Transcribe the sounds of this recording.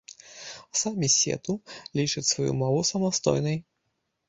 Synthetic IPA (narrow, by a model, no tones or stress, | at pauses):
samʲisʲɛ̰t̪ulʲit͡ʂɨt͡sʲsvajṵmɔvusɐmast̪ɔ̰jnɐj